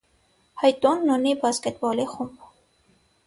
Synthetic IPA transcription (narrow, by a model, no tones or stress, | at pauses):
hɑjt̪ɔnːunibɑskɛt̪̚bɔliχumb